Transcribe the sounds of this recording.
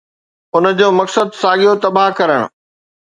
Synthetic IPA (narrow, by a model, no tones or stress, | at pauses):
ʊnə̆d͡ʑoːmɐksəd̪saːɠijot̪ɐbaɦkɐɾəɽ̰̃